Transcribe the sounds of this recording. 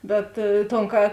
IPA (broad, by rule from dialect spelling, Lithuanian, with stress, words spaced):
ˈbʲɛt toːn ˈkɐ